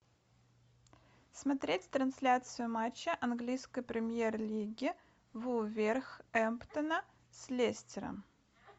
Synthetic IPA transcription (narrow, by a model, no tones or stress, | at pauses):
smɐt̪ɾʲetʲt̪ɾɐnsʲlʲat̪sɨjʊmat͡ɕːɪʔɐnɡlʲijskəjpɾʲɪmʲjerlʲiɡʲɪ | vuvʲerxɛmpt̪ənə | sʲlʲesʲtʲɪɾə̰m